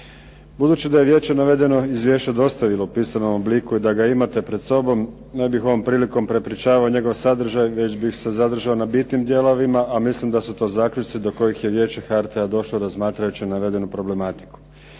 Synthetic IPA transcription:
bud̪uːt͡ɕid̪aje̞ʋje̞ːt͡ɕe̞naʋe̞d̪e̞no̞izʋje̞ːt͡ɕad̪o̞st̪aʋilˠoupiːsano̞mobliːkuid̪aɡaimat̪epɾe̞d̪so̞bo̞m | nebixo̞ʋo̞mpɾiːliko̞mpɾe̞pɾit͡ɕaːʋaoɲe̞ɡo̞ʋsad̪r̩ʒajʋe̞t͡ɕbixse̞zad̪r̩ʒaonabit̪nimd̪je̞lo̞ʋimaʔamislimd̪asut̪o̞ːzaːkʎut͡ʃ̪sid̪o̞ko̞jixjeʋje̞ːt͡ɕexaɾt̪ead̪o̞ʃloɾazmaːt̪ɾajut͡ɕinaʋe̞d̪e̞nupɾo̞ble̞mat̪i̥ku̥

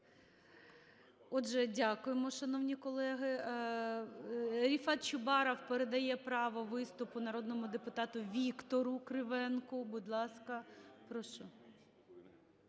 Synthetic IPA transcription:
ɔdʒɛdʲakʊjemɔʃɐnɔwnʲikɔlˠɛɦɪ | ɾʲifɑt̪̚t͡ʃʊbɑɾɔwpeɾed̪ɐjɛpɾɑʋɔʋɪst̪ʊpʊnɐɾod̪nɔmʊd̪epʊt̪ɑt̪ʊʋʲikt̪ɔɾʊkɾɪʋɛnkʊbʊd̪ʲlˠɑskɐpɾɔʃɔ

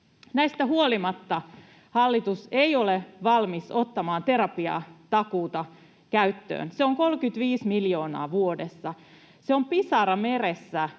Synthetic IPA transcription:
næist̪æhuolimɑt̪ːɑ | hɑlːit̪useioleʋɑlmiso̞t̪ːɑmɑːnt̪e̞ɾɑpiɑ̰t̪ɑkuːt̪ɑ | kæyt̪ːø̰ːnseoŋkolkyt̪ʋiːsmiljo̞ːnɑ̰ːʋuodesːɑ | seompisɑɾɑmeɾesːæ

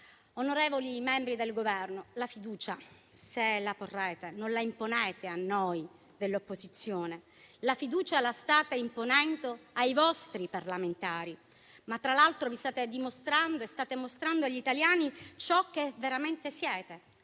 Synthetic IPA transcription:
onoɾɛːvolimɛmbɾid̪elɡovɛrnolafid̪uːt͡ʃa | selaporːɛːt̪enonlaimponɛːt̪eanːoj | d̪elːopːozit̪sːjoːne | lafid̪uːt͡ʃalast̪aːt̪aimponɛnd̪oajvɔst̪ɾiparlament̪aːɾi | mat̪ːɾalalt̪ɾovist̪aːt̪ed̪imost̪ɾand̪oest̪aːt̪emost̪ɾand̪oaʎːit̪aljaːnit͡ʃɔk̟ːeveɾament̪esjɛːt̪e

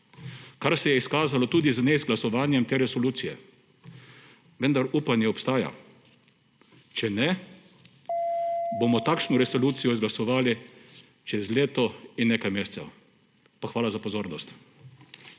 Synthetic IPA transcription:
kaɾsɛjɛiskaːzalɔt̪uːd̪iznezɡlasɔʋaːnjɛmt̪eːɾɛsɔluːt̪sijɛ̰ | ʋənd̪aɾuːpanjɛɔpst̪aːja̰ | t͡ʃɛnɛ | boːmɔt̪aːkʃnɔɾɛsɔluːt̪sijɔizɡlasɔʋaːli | t͡ʃɛzleːt̪ɔinːeːkajmeːsɛ̥t̪sɛ̰w | paxʋaːlazapɔzoːɾnɔst̪

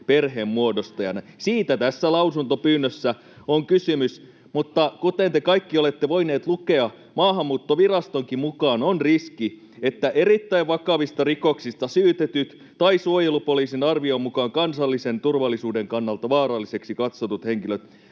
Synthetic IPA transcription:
perɦeːmmuodost̪ɑjɑnɑsiːt̪æt̪æsːælɑusunt̪opyːnːøsːæ | oŋkysymys | mut̪ːɑkut̪ent̪ekɑikːiolet̪ːeʋoineːt̪lukeɑ | mɑːɦɑmːuːt̪ːoʋirɑst̪oŋkimmukɑːnonriski | et̪ːæʔerit̪ːæiʋʋɑkɑʋist̪ɑrikoksist̪ɑsyːt̪et̪yt̪ | t̪ɑisuojelupoliːsinɑrʋiomukɑːŋkɑnsɑlːisent̪urʋɑlːˑisuːdeŋkɑnːɑlt̪ɑʋɑːɾɑlːise̞ksikɑt̪sot̪ut̪heŋkiløt̪

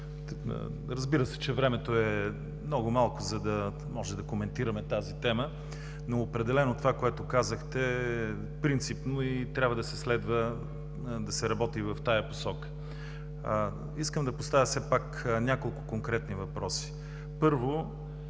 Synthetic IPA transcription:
ɾɐzbiɾəsɛ̥t͡ʃɛvɾɛmɛt̪oɛ | mnɔɡʊmalˠkʊzɐd̪ɐ | mɔʒɛd̪ɐkomɛnt̪iɾɐmɛt̪azit̪ɛmə | noːpɾɛd̪ɛlɛnot̪ovakoɛt̪ʊkazəxt̪ɛɛ | pɾint̪sipnoit̪ɾʲabvəd̪ɐsɛslɛd̪və | d̪ɐsɛɾɐbɔt̪ivɐft̪ajɐpo̥sɔkə̥ | iskəmd̪ɐpost̪avʲjəsɛpaknʲakolˠkʊkoŋkɾɛt̪nivɐpɾɔsi̥ | pɤɾvo

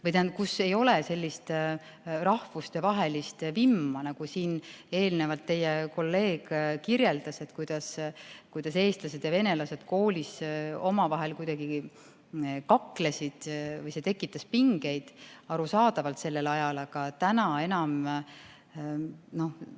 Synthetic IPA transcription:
vɤjt̪æn̚kuse̞jo̞lese̞lʲːist̪ | rɑhvust̪evɑɦe̞list̪vimːɑnɑɡ̥usiːne̞ːlnevɑlt̪ːe̞jeko̞lːe̞ːɡ̥kirje̞ld̪̥ɑse̞t̪kujd̪̥ɑskujd̪̥ɑse̞ːst̪lɑse̞d̪̥jɑve̞ne̞lɑse̞d̪̥ko̞ːlʲiso̞mɑvɑɦe̞lkujd̪̥ɑɡ̥i | kɑkːle̞sid̪̥vɤjse̞t̪e̞kːˑit̪ːˑɑspiŋɡ̥e̞jd̪̥ɑɾusɑːd̪ɑvɑlt̪se̞lːe̞lɑjɑlɑɡ̥ɑt̪ænɑe̞nɑm | no̞h

